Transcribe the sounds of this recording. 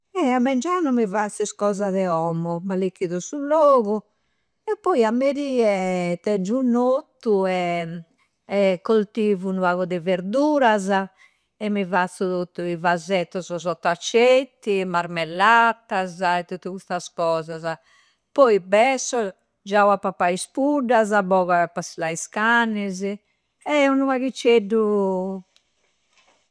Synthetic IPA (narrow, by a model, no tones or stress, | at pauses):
ɛamːɛnd͡ʒanumivat̪siskɔːzaðɛɔmːɔmalikːiðɔsulɔːɣu | ɛpːɔjamːeɾiːɛt̪ɛd͡ʒːunot̪ːuɛ | kːolt̪iːvunuaɣɔd̪ɛveɾd̪uːɾaza | ɛmːivat̪sːut̪ot̪ːuivazɛt̪ːɔzɔzɔt̪ːat͡ʃːet̪ːimaɾmɛlːat̪azaɛt̪ːut̪ːukust̪askɔːzaza | pɔjbɛsːɔ | d͡ʒawapapaispuɖːazabɔɣaɛpaslaiskanːɛzɛ | ɛunuaɣit͡ʃːeɖu